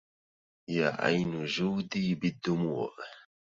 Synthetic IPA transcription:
jaːʔa̰jnʊʒuːd̪iːbɪd̪ːʊmuːʔ

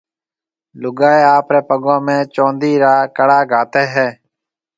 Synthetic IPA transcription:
lʊɡaːeːaːpɾeːpəɠõːmẽːt͡ʃõːnd̪iːɾaːkəɽaːɡʱaːt̪eːɦɛː

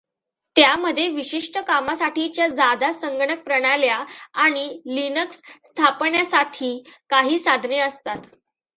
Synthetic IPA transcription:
t̪jaməd̪ʱːjeʋiɕiʂʈəkamasaʈit͡ɕjad͡zad̪asəŋɡɳək̚pɾəɽ̃aljaaɽ̃ilinəksː | t̪ʰapɳjasaʈʰiːkaɦiːsad̪ʱneəst̪at̪

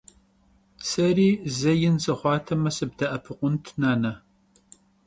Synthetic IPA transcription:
sɐriːzɐjɪnsɐχʷɑːtʰɐmɐsɨb̚dɐʔɐpʰɨqʷʊntʰnaːnɐ

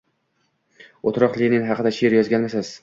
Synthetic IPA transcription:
ot̪ɾɒqlˠɪnɪŋɦɑqʰɨd̪aʃeɾjɒzɡʲanmasɪz̥

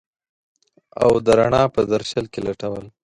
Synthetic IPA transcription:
a̰wd̪əɾaɳɑpəd̪aɾʃəlkelaʈawəl

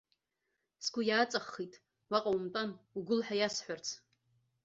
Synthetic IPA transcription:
sɡʷʊjaːt͡sʼaχːitʼ | waqʼawmtʼanuɡʊlħʷᶣajasħʷart͡sʰ

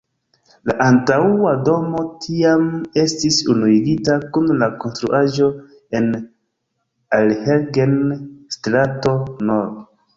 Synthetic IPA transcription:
laʔantawado̞mo̞tʰiame̞stisunuiɡitakunlako̞nstɾuʔaʒo̞ | e̞n | alheɾɡenstɾato̞noɾd

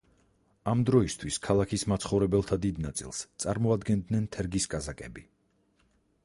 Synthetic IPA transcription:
amd̪ɾɔist̪ʰwiskʰalˠakʰismat̪sʰχɔvɾɛbɛlˠt̪ʰad̪id̪nat̪sʼḭlˠst̪sʼaɾmɔad̪ɡɛnd̪nɛnt̪ʰɛɾɡiskʼazakʼɛbi

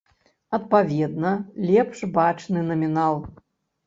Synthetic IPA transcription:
ɐt̪̚pavʲɛd̪̚nɐlʲɛpʂbat͡ʂnɨnɐmʲinalˠ

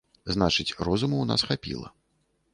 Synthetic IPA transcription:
znat͡ʂɨt͡sʲrɔzumuwna̰sxapʲḭlˠɐ̰

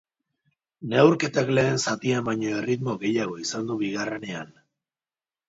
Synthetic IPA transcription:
ne̞wɾke̞t̪akle̞ːnsat̪iambajɲoerit̪mo̞ɣe̞jaɣ̞o̞isand̪uβiɣ̞are̞ne̞an

